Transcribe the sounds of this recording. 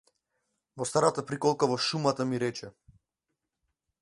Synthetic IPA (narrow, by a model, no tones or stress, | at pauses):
vɔst̪aɾat̪apɾikɔlˠkavɔʃumat̪amiɾɛt͡ʃɛ